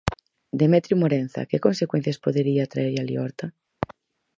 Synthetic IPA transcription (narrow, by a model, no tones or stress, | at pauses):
d̪emet̪ɾjumoɾen̟θa̰kekonsekwen̟θjaspoðeɾiat̪ɾaeɾalḭɔɾt̪a